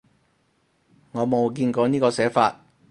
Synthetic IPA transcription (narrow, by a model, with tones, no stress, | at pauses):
ŋɔː˨˧mo˨˧wkiː˧nkɔː˨˧niː˥kɔː˧sɛː˨˥faː˧t̚